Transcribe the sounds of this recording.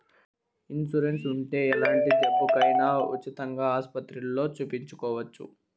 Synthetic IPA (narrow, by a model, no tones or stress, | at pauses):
insuɾensuɳʈe̞ːɛlaːɳʈid͡ʒɐbːukɐjnaṵt͡ʃːit̪ɐŋɡaːaːspɐt̪ɾulo̞ːt͡ʃuːpiɲt͡ʃukɔːʋɐt͡ʃːṵ